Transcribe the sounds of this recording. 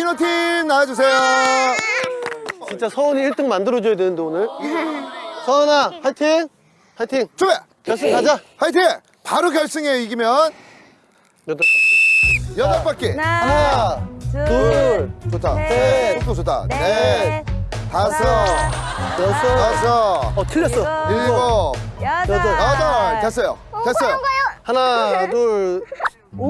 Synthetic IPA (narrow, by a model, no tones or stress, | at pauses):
inʌtʰimnaad͡ʑus̬ʰe̞jo | t͡ɕint͡ɕ͈asʰʌoniːɭt͈ɯŋmandɯɾʌd͡ʑojadwenɯnd̪eonɯɭ | sʰʌnahaɭtʰiŋ | haɭtʰiŋt͡ɕ͈obe | kjʌɭs͈ɯŋkad͡ʑahajtʰe | paɾoɡjʌɭs͈ɯŋeiɡimjʌn | jʌd | jʌdʌp͈ak͈ena | uɭt͡ɕotʰaneoot͡ɕotʰa̰ne | tasʰʌ | jʌsasʰʌʌtʰɯʎːʌs͈ʌiiɡʌ | jdʌdʌtes͈ʌjo̰tes͈ʌjohanaduɭ